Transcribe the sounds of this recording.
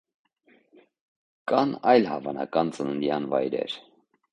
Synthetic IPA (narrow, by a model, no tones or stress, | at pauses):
kɑnɑjlhɑvɑnɑ̰kɑnt͡sənənd̪jɑnvɑjɾɛ̰ɾ